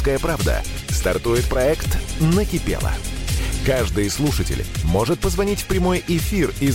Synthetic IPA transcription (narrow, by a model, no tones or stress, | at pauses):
skəjəpɾavd̪ə̰ | st̪ɐrt̪ujɪt̪̚pɾɐɛkt̪nəkʲɪpʲḛlˠə̰kaʐd̪ɨjslˠuʂɨtʲɪ̰lʲmo̞ʐɨt̪̚pəzvɐnʲitʲfpɾʲɪmo̞jɪfʲirɪ